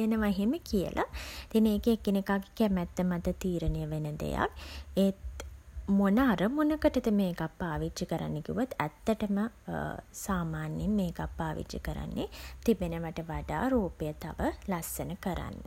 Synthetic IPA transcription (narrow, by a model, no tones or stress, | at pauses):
enəʋaɦeməkijə̰lʔa̰t̪ineːkeːkinekaɡe̥kemæt̪ːəmat̪ət̪iːɾənejəʋenəd̪ḛja̰ke | monəaɾəmonəkəʈət̪əmeːkapːaːʋit͡ʃːikəɾa̰nːekiuʋot̪æt̪ːəʈəmə | saːmaːnjemːeːkapːaːʋḭt͡ʃːə̰kəɾa̰nːet̪ibenəʋəʈəʋaɖa̰ːɾoːpejət̪a̰ʋəlasːənəkəɾa̰nːə